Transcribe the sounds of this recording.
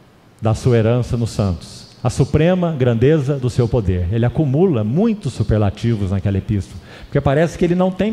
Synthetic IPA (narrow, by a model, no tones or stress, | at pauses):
d̪ɐsuɐeɾɐ̃sɐnʊsɐ̃nt̪ʊ̥sɐsupɾẽmɐɡɾɐ̃nd̪ezɐd̪ʊsewpod̪eɾelɪakumulɐmũj̃t̪ʊsːupeɾlat͡ʃivʊznakɛlɐepist̪olɐpo̥ɾkepaɾɛsɪ̥kɪelɪnɐ̃w̃t̪ẽj̃